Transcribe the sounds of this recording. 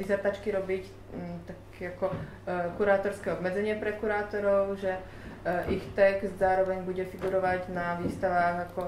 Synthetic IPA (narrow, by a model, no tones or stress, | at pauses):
izat̪at͡ʃkiɾɔbic | t̪akɛakɔ | kuɾaːt̪ɔɾskɛːɔbmɛd͡zɛɲɪɛpɾɛkuɾaːt̪ɔɾɔʊʒɛ | ʔixt̪ɛɡszaːɾɔʋɛɲbuɟɛfiɡuɾɔʋaɟnaʋiːst̪aʋaːɣakɔ